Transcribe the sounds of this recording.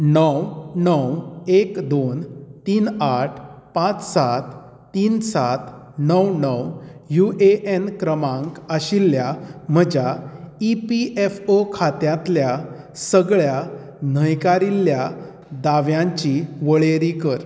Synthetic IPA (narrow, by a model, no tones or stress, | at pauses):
nəwnəwekd̪ont̪iːnaʈʰ | pãt͡ssat̪ː | iːnsat̪ | nəwnəwjuʔeʔenkɾəmãŋkəɕilːjam̤əd͡ʑaipiʔefokʰat̪jãt̪lja | səɡɭja | n̤əjkaɾilːja | d̪aʋjãɲt͡ɕiʋəɭeɾikəɾ